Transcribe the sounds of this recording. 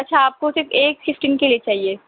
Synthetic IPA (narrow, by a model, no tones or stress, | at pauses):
ɐtːʃʰaaːp̚kosɪɾfeːkfɪfʈiːnkeliet͡ʃaːɦie